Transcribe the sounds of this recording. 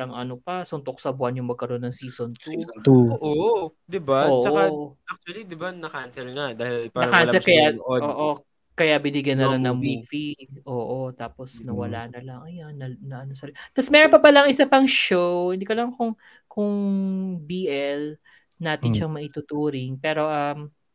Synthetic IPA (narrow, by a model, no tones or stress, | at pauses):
ɾɐŋʔɐnopɐsʊnt̪ok̚sɐbwanjʊŋmɐɡ̚kɐɾo̞nːɐŋsiːsont̪uuoʔo | d̪ɪbaoːʔt͡ʃʔoaak̚t͡ʃwɐlid̪ɪbanɐkansɛlŋad̪aːhɪlpaːnɐɾɐkanlsɛkɐjaʔoːʔo | kɐjabɪnɪɡjɐnːɐlaŋnɐŋmuːfiʔoːʔot̪aːposnɐwɐlaːnɐlɐŋɐjanːɐnɐʔɐnosɐlt̪ɐsmɛːɾonpɐpɐlɐŋʔɪsapɐŋʃowhɪnd̪iːkɐlɐŋkʊŋ | kʊŋbiːʔɛl | naːt̪ɪnʃɐŋmɐʔit̪ʊt̪uːɾɪŋpɛːɾo̞ʔɐm